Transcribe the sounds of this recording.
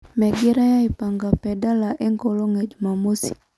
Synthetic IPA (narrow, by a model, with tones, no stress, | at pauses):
mɛ˨ɡi˦ɾa˦ja˦ipa˨ŋɡa˨pɛda˦laʔɛ˦ŋɡolo˦ŋɛ˨d͡ʒumamo˦si̥˨